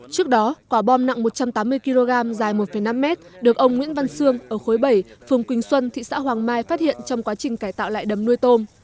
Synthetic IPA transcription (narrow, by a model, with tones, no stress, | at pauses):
t͡ɕɨ˦˥ək̚ɗɔ˨˦kwaː˧˩ɓɔ˧mna̰˧˨ŋmo˨˩t̚t͡ɕa˧mt̪aː˨˦mːɨ˧əjki˧lo˧ɣaː˧mzaː˨˩jmo˨˩t̚fə˧˩jna˧mːɛ˦˥t̚ɗɨ˨˩ək̚ʔə˧wŋ͡mŋwḭ˧˥ənva˧nsɨ˧əŋʔəː˧˩xo˨˦jɓə˧˩jfɨ˨˩əŋkwï˧˩ŋ̟swə˧nt̪ʰḭ˧˨sa̰ː˧˥ɦwaː˨˩ŋmaː˧jfaː˦˥t̚hḭ˧˨ənt͡ɕɔ˧wŋ͡mkwaː˨˦t͡ɕï˨˩ŋ̟kaː˧˩jt̪a̰ː˧˨wla̰ː˧˨jɗə˨˩mnu˧əjt̪o˧m